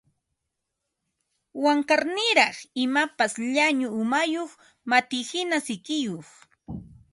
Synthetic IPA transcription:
waŋkaɾnɪɾɑχɪmapasʎaɲʊːmajoχ | mat̪ɪːhɪnasɪkɪjoχ

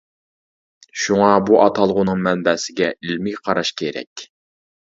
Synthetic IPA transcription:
ʃuŋɑbuʔɑt̪ʰɑlˠʁʊnɨŋmɛnbɛsɪɡʲɛʔilmɪqʰɑɾɑʃkʲʰeɾɛ̰kʲ

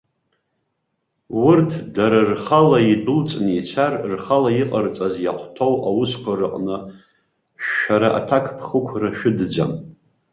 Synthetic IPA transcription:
wʊrtʰdaɾarχalaidɨlt͡sʼnit͡ʃʷʰarrχalaiqʼərt͡sʼazja̰χʷtʰowʔawʊskʷarɨqʼnɨ | ʃᶣaɾaʔa̰tʰakʰpʰχəkʷʰraʃᶣʊdd͡za̰m

